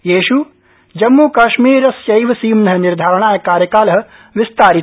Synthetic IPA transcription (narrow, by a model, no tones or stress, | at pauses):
jeːʃu | d͡ʒɐmːukɐʃmiːɾɐsjɐjʋɐsiːmnɐɦɐniɾd̪ʱaːɾɐɳaːjɐkaːɾjɐkaːlɐɦɐ̆ | ʋist̪aːɾi